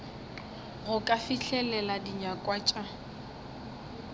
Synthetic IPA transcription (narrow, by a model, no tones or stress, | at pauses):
ɣʊkʼafiɬʰɛlɛladiɲakʼwat͡ʃʼa